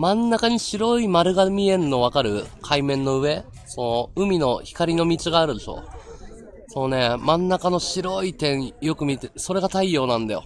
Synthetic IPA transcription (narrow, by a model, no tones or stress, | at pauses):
mãnːakaɲ̟iɕiɾo̞imaɾɯ̟ɡamʲiẽ̞nːo̞βakaɾɯ̟̰kʰaimẽ̞nːo̞ɯ̟e̞ | so̞no̞ɯ̟mʲino̞çi̥kaɾʲino̞mʲit͡siɡaːɾɯ̟d̪e̞ʃo̞̰ː | sonone̞mãnːakano̞ɕiɾo̞it̪ẽ̞ɰ̃jo̞kɯ̟mʲit̪esoɾe̞ɡat̪aijo̞ːnãnd̪a̰jo̞̰